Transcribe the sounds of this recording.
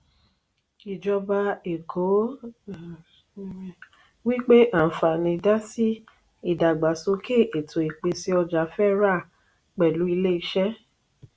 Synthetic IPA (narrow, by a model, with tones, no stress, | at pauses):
i˨d͡ʒɔ˧ba˧e˨kʰo˨˦ | wi˦k͡pe˦ʔa˦˨fa˨nĩ˧da˦si˦ | i˦˨da˨ɡ͡ba˨so˧˦kʰe˦˨ʔe˨tʰo˨e˨k͡pe˧si˧˦ɔ˧d͡ʒa˨˦fɛ˦ɾa˦˨ | k͡pɛ˨lu˨˦i˧le˦i˧ʃɛ˦